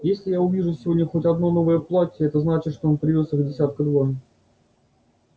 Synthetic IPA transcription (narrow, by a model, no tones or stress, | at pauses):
jesʲlʲɪjaʊvʲiʐʊsʲɪvodʲnʲəxotʲɐd̪no̞no̞vəjəplˠatʲɪɛt̪əznat͡ɕɪt̪ʂt̪oonpɾʲɪvʲosɨvdʲɪsʲat̪̚kʊd̪va